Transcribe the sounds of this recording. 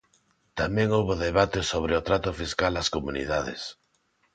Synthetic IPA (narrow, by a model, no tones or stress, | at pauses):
t̪amẽŋowβoðeβ̞at̪esoβ̞ɾeʊt̪ɾat̪ʊfiskalaskomunḭðaðḛs